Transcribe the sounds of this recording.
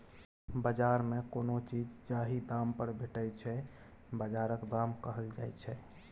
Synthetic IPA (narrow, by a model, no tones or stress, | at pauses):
bəd͡ʒaɾmekonot͡ʃid͡ʒd͡ʒaɦid̪ampəɾbʱeʈət͡ʃʰɛ | bəd͡ʒaɾəkd̪amkəɦəld͡ʒajt͡ʃʰɛ